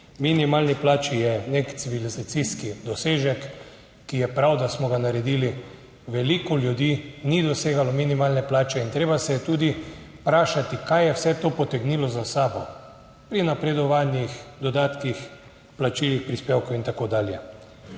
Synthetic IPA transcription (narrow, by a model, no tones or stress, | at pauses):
minimaːlniplaːt͡ʃijɛnekt̪siʋilizat̪siskid̪ɔseːʒɛkː | ijɛpɾawd̪asmɔɡanaɾɛd̪iːli | ʋɛlikɔljud̪iːnid̪ɔseːɡalɔminimaːlnɛplaːt͡ʃɛint̪ɾeːbasɛjɛt̪uːd̪i | pɾaːʃat̪ikajjɛwsɛt̪oːpɔt̪ɛɡnilɔzasaːbɔ | pɾinapɾɛd̪ɔʋanjixd̪ɔd̪aːt̪kix | plat͡ʃiːlixpɾispeːwkɔwint̪akoːd̪aːljɛ